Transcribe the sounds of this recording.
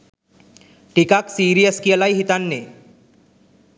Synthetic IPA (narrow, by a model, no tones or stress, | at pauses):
ʈikaksiɾijəskiəlajɦit̪anːe